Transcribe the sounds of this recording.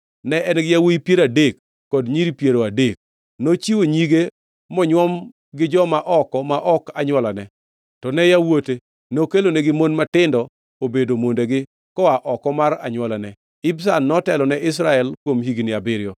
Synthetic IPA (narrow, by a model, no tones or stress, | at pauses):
nɛʔɛnɡɪjawoipjeɾadekː | ɔdɲiɾipjeɾoadek̚ | not͡ʃiwoɲiɡe | mɔɲwɔm | ɡɪd͡ʒɔmaʔɔkɔmaʔɔkaɲwɔlanɛ | tɔnɛjawote | nokelonɛɡɪmonmatɪndɔ | obedomondeɡɪ | kɔaʔɔkɔmaɾa̰ɲwɔlanɛ | ɪbsanːɔtɛlɔnɛʔɪs̬ɾaɛlkwomɦiɡnɪabɪɾjɔ